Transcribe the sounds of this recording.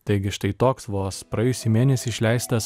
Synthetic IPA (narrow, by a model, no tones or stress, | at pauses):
t̪ɐɪɡʲɪʃt̪ɐɪt̪oːksʋoːspɾɐjɛːjʊsʲɪːmʲeːnʲɛsʲiːʃʲlʲæɪst̪ɐs